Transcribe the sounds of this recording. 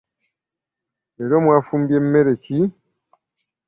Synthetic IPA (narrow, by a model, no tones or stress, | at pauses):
eɾomwafuːmbjem̩meɾeci